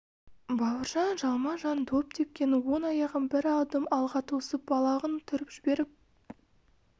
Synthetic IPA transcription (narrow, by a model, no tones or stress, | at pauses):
bɑwəɾʒɑnʒɑlˠmɑʒɑnd̪ʰop̚t̪ʰe̞p̚kʲe̞nɪwo̞nɑjɑʁənbɪɾɑld̪əmɑlˠʁɑt̪ʰosəp̚bɑlˠɑʁənt̪ʰʏɾɪpʒ̥ɪbe̞ɾɪp̚